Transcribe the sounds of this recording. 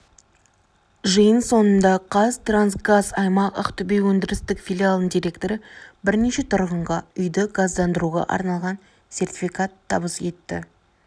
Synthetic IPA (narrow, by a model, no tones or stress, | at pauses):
ʒɨjənso̞nənd̪ɑqʰɑzt̪ransɡazɑjmɑqə̰qt̪ʰʏbewɵnd̪ɪɾɪst̪ɪkfʲilʲialˠəɴd̪ijɾʲe̞kt̪o̞ɾəbɪɾne̞ʃe̞t̪ʰʊɾʁəɴʁɑʏjd̪əɡazd̪ɑnd̪əɾuʁɑ̰ʔɑ̰ɾnɑlˠʁɑn | se̞rt̪ʲifʲikat̪ʰːɑbəsje̞t̪ːɪ̰